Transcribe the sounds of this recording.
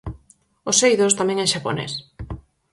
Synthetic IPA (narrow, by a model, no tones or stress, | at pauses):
osejðost̪amɛ̃ŋɛŋʃapo̰nḛs